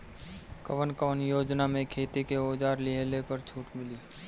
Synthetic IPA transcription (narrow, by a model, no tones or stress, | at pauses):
kəʋənkəʋənjoːd͡ʒnamẽkʰeːt̪ikeoːd͡ʒaːɾlɪɦlepəɾt͡ʃʰuːʈmɪliː